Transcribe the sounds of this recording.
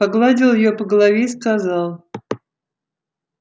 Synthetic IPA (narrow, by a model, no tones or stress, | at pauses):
paɡlˠadʲɪlˠjɪjopəɡəlˠɐvʲeiskazalˠ